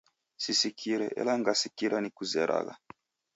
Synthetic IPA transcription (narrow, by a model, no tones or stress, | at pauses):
sisikʰiɾɛʔɛ̰laŋɡasikiɾanikuzɛɾʔa̰ɣa